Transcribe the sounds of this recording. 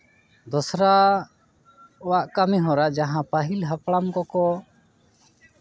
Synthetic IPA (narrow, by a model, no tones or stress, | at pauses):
d̪ɔsɾa | ɔwaʔkamiɦɔɾad͡ʒaɦãpaɦilɦapɽamkɔkɔ